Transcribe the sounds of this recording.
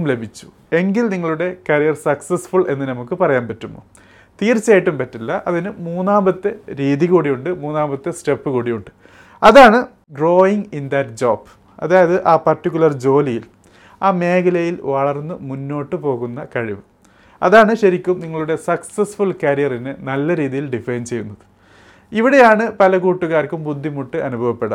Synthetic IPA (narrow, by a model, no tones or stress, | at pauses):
mle̞bʱit͡ɕːu̥ | e̞ŋɡilniŋːɐɭuɽe̞kɐɾijɐrsɐksesfuɭe̞nːɨnɐmukːɨpɐrɐjaːnpɐtːumːo̰ː | t̪iːrt͡ɕːaːjiʈːumpɐtːilːɐʔɐðinɨmuːnːaːmbɐt̪ːeɾiːðiɣuːɽijuɳɖɨmuːnːaːmbɐt̪ːeste̞pːɨkuːɽijuɳɖɨ | ɐðaːɳɨ | ɖro̞ːiŋɡind̪ɐtd͡ʑoːb | ɐðaːjɐðɨʔaːpɐrtːikʲːuɭɐrd͡ʑo̞ːlijil | aːme̞ːkɐlɐjilʋɐɭɐrnːɨmunːo̞ːʈːɨpo̞ːɣunːɐkɐɻiʋɨ | ɐ̰ðaːɳɨɕɐɾikʲːumniŋːɐɭuɽe̞sɐksesfuɭkɐɾijɐrinɨnɐlːɐɾiːðijilɖifejnt͡ɕe̞junːɐðɨ | iʋiɽe̞jaːɳɨpɐlɐɣuːʈːuɣaːɾkʲːumbud̪ʱːimuʈːɨʔɐnubʱɐʋɐpːe̞ɽɐ̰m